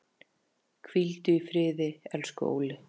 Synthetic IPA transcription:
kʰvilt̪ʏifɾɪːðɪɛlskʏo̰ːwlɪ

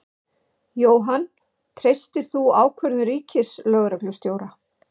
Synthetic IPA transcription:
joːwɦan | t̪ʰɾejst̪ɪɾ̥θuaːwkʰvœɾðʏɾiːcɪslœːɣɾaklʏst̪joːwɾa

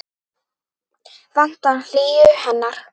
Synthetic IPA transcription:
van̥t̪anl̥iːʏhɛnːaɾ̥

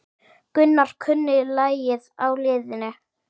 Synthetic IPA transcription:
kʏnːaɾ̥kʰʏnːɪlaːjjɪðawlɪːðɪnɪ

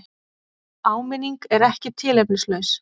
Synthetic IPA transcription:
aːwmɪniŋkɛɾɛhcɪt̪ʰɪːlɛplɪslœɥs

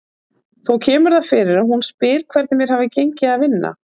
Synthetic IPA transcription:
θowcʰɛːmʏɾðaðfɪɾɪɾahunspɪːɾ̥kʰv̥ɛɾt̪nɪmjɛɾ̥haːvɪcejɲcɪaðvɪnːa̰

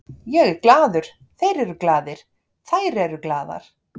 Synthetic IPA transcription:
jɛɣklaːðʏɾ̥ | θejɾɛɾʏklaːðɪɾ̥ | θajɾɛɾʏklaːða̰ɾ̥

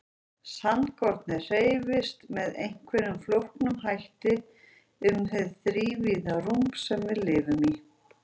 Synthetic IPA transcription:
sant̪kɔɾt̪nɪr̥eːjvɪst̪mɛðejŋ̥kʰvɛnʏmflowhknʏmɦajht̪ɪ | ʏmθɛðθɾiːviːðarumpsɛmvɪðlɪːvʏmi

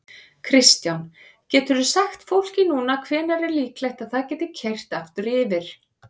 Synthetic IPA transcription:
kʰɾɪst̪jan | cɛːt̪ʏɾʏsaxt̪fowl̥cɪnuːnakʰvɛːnaɾɛɾliːklɛjht̪aðθaðcɛːt̪ɪcʰejr̥t̪aft̪ʏɾɪːvɪɾ̥

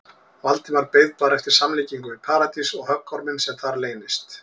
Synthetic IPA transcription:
valt̪ɪmvaɾpeːjðpaːɾɛft̪ɪɾ̥samliːciŋkʏvɪðpʰaːɾat̪isɔɣhœkʰːɔɾmɪnsɛmθaɾleːjnɪst̪

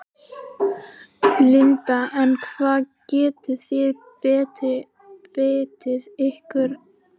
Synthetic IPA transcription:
lɪnt̪aʔɛnkʰvaːðcɛːt̪ʏθjɛð | pɛːt̪ɪ | eːt̪ɪðehkʏɾ̥

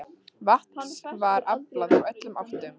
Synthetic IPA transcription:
vaht̪̚nansvaɾaklaðawœt̪lʏmaft̪ʏm

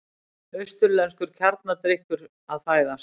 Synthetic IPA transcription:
œɥst̪ʏɾlɛnskʏɾ̥cʰaɾt̪̚nat̪ɾehkʏɾ | aðfaːjða

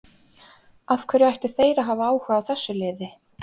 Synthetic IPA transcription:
afkʰvɛɾʏajht̪ɪθeːjɾaɦaːvaaːwhʏːɣaːwθɛsːʏlɪːðɪ

